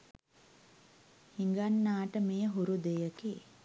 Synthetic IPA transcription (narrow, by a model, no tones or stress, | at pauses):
hiŋɡanːaːʈəmejəɦuɾud̪ejəkeː